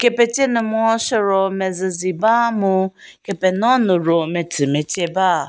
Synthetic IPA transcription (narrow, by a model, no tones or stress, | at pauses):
kepet͡ʃenʊmʊɔʃɔɾɔmezɪzibamʊkepenɔnʊɾometʰimet͡ʃeba